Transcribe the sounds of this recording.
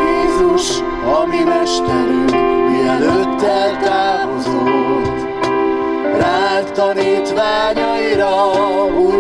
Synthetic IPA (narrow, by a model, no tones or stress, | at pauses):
eːzuʃ | ɒminɛʃt̪ɛɾymiɛløt̪ːɛlt̪aːmozot̪ː | ɾaːt̪ɒniːt̪vaːɲɒiɾɒu